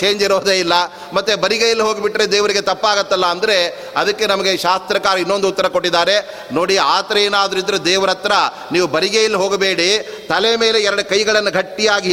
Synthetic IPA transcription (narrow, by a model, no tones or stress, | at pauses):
t͡ʃeːɲd͡ʒiɾoːd̪eːilːɐ | mɐt̪ːebɐɾiɡejɐlːiɦo̞ːɡibiʈːɾe̞d̪eːʋɐɾiɡe̞t̪ɐpːaːɡɐt̪ːɐlːɐːnd̪ɐɾe̞ | ɐd̪ɐkːe̞nɐmɐɡeʃaːst̪ɾɐkaːɾɐinːo̞nd̪uːt̪ːɐɾɐko̞ʈːid̪aːɾe̞ | no̞ːɽiaːt̪ɾɐjeːnaːd̪ɐɾind̪ɐɾud̪ɛːʋɐɾɐt̪ɾɐ | niːʋubɐɾiɡejɐlːiɦo̞ːɡɐbeːɽit̪ɐleme̞ːleɛɾɐɽukɐjɡɐɭɐnːuɡʱɐʈːijaːɡi